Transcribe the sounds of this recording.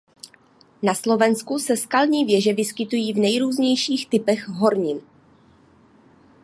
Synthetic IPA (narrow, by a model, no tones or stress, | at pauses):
naslo̞vɛnskusɛskalɲiːvjɛʒɛvɪskɪt̪ujiːvnɛjɾuːzɲɛjʃiːxt̪ɪpɛɣɦo̞ɾɲɪn